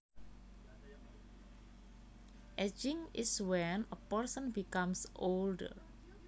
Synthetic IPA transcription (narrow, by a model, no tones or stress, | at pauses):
ʔɛd͡ʒɪ̃ŋɪswɛnəpərsə̃nbikamsoldə̰r